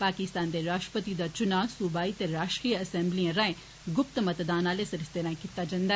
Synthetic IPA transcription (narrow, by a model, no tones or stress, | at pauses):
paːkɪst̪aːnd̪eːɾaːʃʈɾəpət̪id̪aːt͡ʃʊnaːsʊbaːiːt̪eɾaːʃʈkijəsɛ̃mbliãːɾə̃ẽː | ɡʊp̚t̪mət̪d̪aːnaːleːsəɾəst̪eːɾãːẽkit̪ːaːd͡ʒãnd̪a